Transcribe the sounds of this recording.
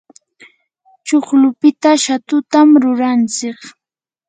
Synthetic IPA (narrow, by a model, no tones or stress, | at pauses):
t͡ʃoχlʊpɪt̪aʃat̪ʊt̪amɾʊɾant͡sɪχ